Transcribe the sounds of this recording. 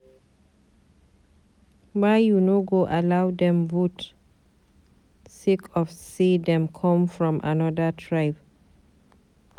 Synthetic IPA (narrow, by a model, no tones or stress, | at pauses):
bajjunoɡoʔalawdɛ̃mvut | sikʰɔfsidɛ̃mkʰɔ̃mfɹɔ̃mʔa̰nɔdətʰɹaɪp